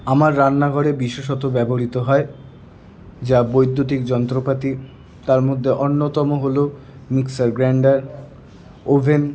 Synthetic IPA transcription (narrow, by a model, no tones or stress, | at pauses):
amaɾːanːaɡʱɔɽebiʃeʃ̬ɔt̪obɛboɾit̪oɦɔe | d͡ʑabojd̪ʱːut̪ikd͡ʑɔnt̪ɾopat̪i | t̪aɾmod̪ʱːeʔonːot̪ɔmoɦolo | miksaɾɡɾaɳɖaɾ | obʱen